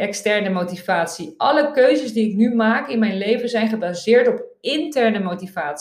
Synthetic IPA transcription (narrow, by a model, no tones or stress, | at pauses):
ɛkstɛɹnəmowtivaːtsiʔɑləkøɥzəsdiɪknymaːkɪnmɛjnlejvənzɛjnχəbazɪːɹtɔp̚ɪntɛɹnəmowtivaːts